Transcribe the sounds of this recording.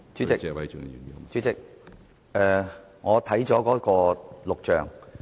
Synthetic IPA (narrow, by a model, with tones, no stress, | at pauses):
t͡ʃyː˨˥t͡sɪ˨˩ɛ˨wɐ˨jt͡ʃɔ̰˨y˨t͡ʃyː˨˥t͡sɪ˨k̚ | ɛː˨ŋɔː˨˧t̪ʰɐ˨˥jt͡sɔː˨˥kɔː˨˧˥kɔː˧lʊ˨k̚t͡ʃœː˨ŋ